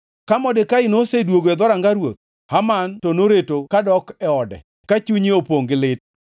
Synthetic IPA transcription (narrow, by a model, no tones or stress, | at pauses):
kamɔdɪkaɪnosedwoɡɛd̪ɔɾaŋɡaɾwot̪̚ | hamantonoɾetokadɔkɛɔdɛ̰ | kat͡ʃuɲiopoŋɡɪlɪt̚